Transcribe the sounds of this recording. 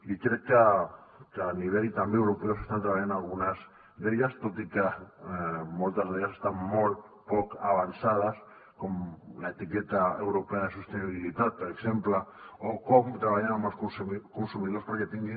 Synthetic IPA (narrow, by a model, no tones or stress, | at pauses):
likeɾka | kaniβ̞elt̪ambeewɾopeosest̪ant̪ɾaajanalɣunaz | ðeʎast̪ot̪ika | molt̪azðeʎasest̪ammolt̪ | pokaβ̞ansað̞as | komlaet̪iket̪aḛwɾopeað̞esust̪eniβilit̪at̪̚peɾeksemplaokomt̪ɾaβaʎanamaskoskonsumiðospoɾket̪iŋɡe